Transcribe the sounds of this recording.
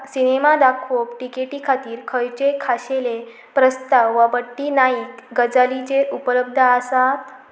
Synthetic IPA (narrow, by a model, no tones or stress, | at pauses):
sinemad̪akʰopʈikeʈikʰat̪iːɾkʰəjt͡ɕekʰaɕele | pɾəst̪aʋːabəʈːinaiːkɡəd͡zalit͡ɕeʔupələb̚d̪ʱəasat̪